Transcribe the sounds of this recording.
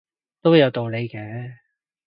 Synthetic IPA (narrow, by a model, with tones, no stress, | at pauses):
t̪o˥wjɐ˨˧wt̪o˨wle˨˧jkɛː˨˦